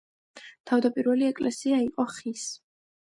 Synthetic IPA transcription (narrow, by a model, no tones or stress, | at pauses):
t̪ʰavd̪apʼiɾvɛliɛkʼlɛsiaiqʼɔχis